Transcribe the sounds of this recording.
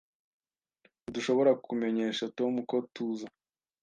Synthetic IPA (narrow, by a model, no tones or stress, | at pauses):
duʃo̞βo̞ɾakʰume̞ɲe̞ːʃatomuko̞tuːza